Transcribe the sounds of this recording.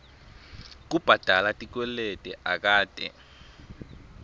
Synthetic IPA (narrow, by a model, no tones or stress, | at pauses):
k̬ub̥ʱad̥ʱalatʼik̬wɛletʼɛʔak̬ʼaːd̥ʱɛ̰